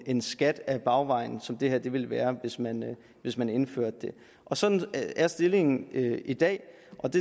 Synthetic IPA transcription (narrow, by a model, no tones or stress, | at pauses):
e̝nsɡ̥æd̥æb̥ɑ̈ʊʋɑ̈ɪn̩sɒ̽md̥e̝hæɐ̰d̥e̝ʋe̝lʋæːɐʋe̝smæn | ʋe̝smæne̝nfø̰ɐ̰d̥ːe̝ | ʔɒ̽sɒ̽d̥n̩æɐsd̥e̝le̝ŋn̩øid̥ɛ̰ː | ʔɒ̽d̥e̝